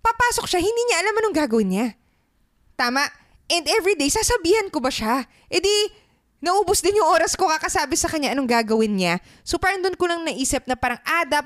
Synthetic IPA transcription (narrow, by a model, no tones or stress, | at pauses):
pɐpaːsok̚ʃahɪnd̪iːɲɐʔɐlamɐnoŋɡaːɡɐwɪnɲa | t̪aːmɐʔ | ʔɛnd̪ɛvɹid̪ejsaːsɐbiːhɐnkobɐʃa | ʔɛd̪i | nɐʔuːbʊsd̪ɪnjʊŋʔoːɾɐsko̞kɐkɐsaːbɪsɐkɐɲɲaʔɐnoŋɡaːɡɐwɪnɲa | sopaːɾɐŋd̪onkolɐŋnɐʔiːsɪp̚nɐpaːɾɐŋʔaːd̪ɐp̚